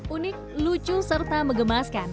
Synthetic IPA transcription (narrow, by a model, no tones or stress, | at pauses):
unɪk̚lut͡ʃusərt̪aməŋɡəmaskan